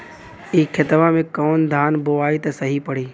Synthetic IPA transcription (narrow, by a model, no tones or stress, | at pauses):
iːkʰɪt̪ʋãmẽkɔːnd̪ʱaːnboaːit̪ɐsəɦipəɽ̤iː